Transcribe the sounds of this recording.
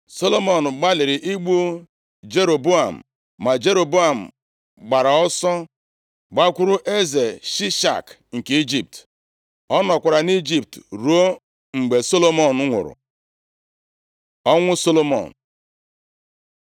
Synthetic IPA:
so˦lo˦mo˨n̩˨ɡ͡ba˦lɪ˨ɾɪ˨ʔi˦ɡ͡bu˦ | d͡ʒe˦ɾo˨bu˦a˨m̩˨ | ma˨d͡ʒe˦ɾo˨bu˦a˨m̩˨ | ɡ͡ba˨ɾa˨ɔ˦sɔ˦ | ɡ͡ba˦kʷʊ˦ɾʊ˦ʔe˦ze˨ʃi˦ʃa̰˨k | ŋ̩˨ke˦i˦d͡ʒi˨p̚t | ɔ˦nɔ˨kʷa˨ɾa˨ni˦d͡ʒi˦˨p̚tɾu˨˦o˦ | ŋ͡m̩˨ɡ͡be˨so˦lo˦mo˨n˦ŋʷʊ̰˨ɾʊ̰˨ | ɔ˦ŋʷʊ˦so˦lo˦mɔ̰˨n̩˨

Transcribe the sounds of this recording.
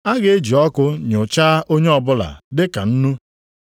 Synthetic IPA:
a˦ɡe˦e˦d͡ʒi˨ɔ˦kʊ˦ɲ˨ʊ˨t͡ʃaː˦ʔo˦ɲe˦ɔ˨bʊ˦la̰˨dɪ˦ka˨n̩˦nu˦

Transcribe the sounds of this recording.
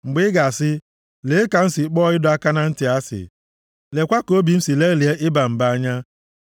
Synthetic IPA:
ŋ͡m̩˨ɡ͡bɪ˦ɡa˨sɪ˦ | le˨˦e˦ka˨n̩˦sɪ˨k͡pɔː˦ɪ˦dʊ˦a˦ka˦na˦n̩˦tɪ˨a˦sɪ̰˨ | le˨kʷa˦ko˦bi˨n̩˦si˨le˦li˨e˦ʔɪ˦ba˨m̩˨ba˦a˦ɲa˦

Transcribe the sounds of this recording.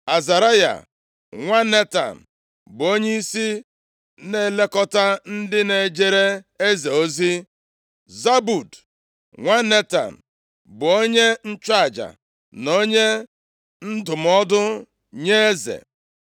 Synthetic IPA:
a˨za˨ɾa˦ja̰˨ | ŋʷa˦ne˦ta̰˨m̩˨ | bʊ˨o˦ɲe˦i˦si˦ | ne˦˨le˦kɔ˦ta˦n̩˦dɪ˦ne˨d͡ʒe˦ɾe˦e˦ze˨o˦zi˦ | za˦bu˨d | ŋʷa˦ne˦ta̰˨m̩˨ | bʊ˨o˦ɲe˦n̩˦t͡ʃa˨d͡ʒa̰˨ | no˦ɲe˦ | n̩˦dʊ˨m˨ɔ˦dʊ˦ | ɲe˦e˦zḛ˨

